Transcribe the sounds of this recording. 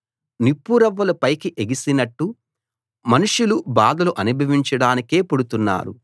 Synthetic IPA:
nipːuɾɐʋːɐlɐpɐjkiʔeɡisinɐʈːu | mɐnuʂulubaːd̪ɐluʔɐnibʱɐʋiɲt͡ʃɐɽaːnike̞ːpoɽut̪unːa̰ːɾṵ

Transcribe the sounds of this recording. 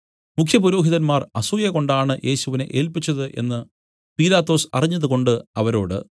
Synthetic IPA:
mukʰjɐpuɾo̞ːɦiðɐnmaːrɐsuːjɐko̞ɳɖaːɳɨjʔe̞ːɕuʋine̞̰ʔe̞ːlpit͡ɕːɐðɨʔe̞̰nːɨ | piːlaːt̪ːo̞ːsɐ̰riɲːɐðuɣo̞ɳɖɨɐʋɐɾo̞ːɽɨ̰

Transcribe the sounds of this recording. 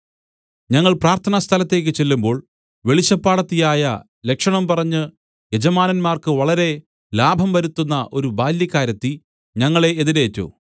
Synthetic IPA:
ɲɐŋːɐɭpraːrt̪ʰɐnɐst̪ʰɐlɐt̪ːe̞ːk̬ːɨt͡ɕe̞lːumbo̞ːɭ | ʋe̞ɭit͡ɕːɐpːaːɽɐt̪ːijaːjɐ | le̞kʂɐɳɐmpɐrɐɲːɨ | je̞d͡ʑɐmaːnɐnmaːrkɨʋɐɭɐɾe̞ | laːbʱɐmʋɐɾut̪ːunːɐʔo̞ɾubaːljɐkːaːɾɐt̪ːi | ɲɐŋːɐɭe̞ːðineːtːṵ

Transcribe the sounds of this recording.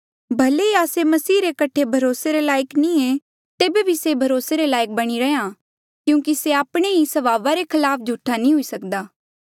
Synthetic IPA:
bʱɐleiaːsemɐsiːɾekɐʈʰebʱɐɾoːseɾelaːjəknĩe | t̪eːbebʱisebʱɐɾoːseɾelaːɪk̚bɐɽ̃iɾɛã | kjũːkiseaːpɽ̃eɦisɐʋaːʋaɾekʰɐlaːp̚ʰd͡ʒʱuʈʰanĩɦʊisɐkd̪aː

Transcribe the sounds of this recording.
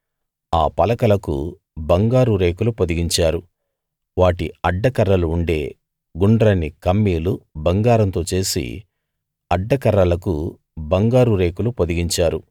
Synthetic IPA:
aːpɐlɐkɐlɐkṵ | bɐŋɡaːɾuɾe̞ːkulupod̪iɡiɲt͡ʃaːɾu | ʋaːʈiɐɖːɐkɐɾːɐluːɳɖḛː | ɡuɳɖɾɐnːikɐmːiːlubɐŋɡaːɾɐnt̪o̞ːt͡ʃe̞ːsḭ | ɐɖːɐkɐɾːɐlɐkṵ | bɐŋɡaːɾuɾe̞ːkulupod̪iɡiɲt͡ʃaːɾu

